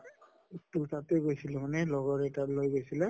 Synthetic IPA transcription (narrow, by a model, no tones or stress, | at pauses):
tutatɛɡojsilɛmanɛlɔɡɔɹɛtalojɡojsilɛ